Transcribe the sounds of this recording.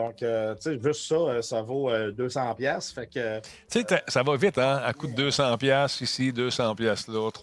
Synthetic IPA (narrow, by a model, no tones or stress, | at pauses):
d̪ɔ̃køt͡seʒʏst̪sɔøsavoød̪øːsɑ̃pjasfɛkø | set̪ɛsavɔvɪt̪ɛ̃akut̪̚d̪øːsɑ̃ːpjasisid̪øːsɑ̃ːpjaslɔt̪